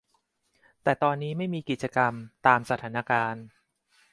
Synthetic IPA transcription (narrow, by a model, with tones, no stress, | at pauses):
t̪ɛː˨˩t̪ɔː˧nːiː˦˥ma˥˩jmiː˧ki˨˩t͡ɕa˧ka˧mt̪aː˧msa˧t̪ʰaː˩˦na˧kaː˧n